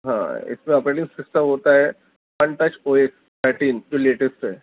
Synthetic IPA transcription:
ɦã̰ɪ̰smẽɐpɾəʈinsɪksʈaʋɦot̪aɦɛ | pə̃nʈ̪ət͡ʃoeks | t̪ʰəɾʈiːnd͡ʒoleʈesʈɦɛ

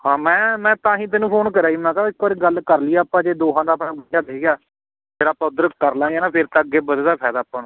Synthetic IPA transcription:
hãːmɛ̃ːmɛ̃ːt̪ãːɦĩːt̪ɛːnũːpʰoːnkəɾaːiːmɛ̃ːkaɪkːəːɾiːɡəlkəɾliːaːpãːd͡ʒeːd̪oːɦãːd̪aːpʰɛːəɽjaːd̪eiɡaː | d͡ʒeːɾaːpəd̪əɾkəɾlãːjaːnãːpʰɪɾt̪ãəɡːeːbəd̪eːd̪aːpʰɛːd̪aːpːaːnː

